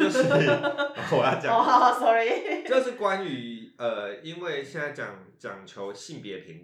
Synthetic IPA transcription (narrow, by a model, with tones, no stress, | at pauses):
t͡ɕʊ˥˨˩wɔ˨˩ja˥˩t͡ɕja˨ɔ˧˨sɔ˦ɹi˨t͡ɕjo˥˧ʊʂ̩˥˩kwa˦ny˧˦ə˨˩i˦nwe˥˩ɪɕjɛ˥˧nt͡sa˥˩t͡ɕjɑ̰˨˩ŋ | t͡ɕjɑ̰˨˩ŋt͡ɕʰjo˧˦ʊɕi˥˩npjɛ˨˥pʰi˨˦ŋ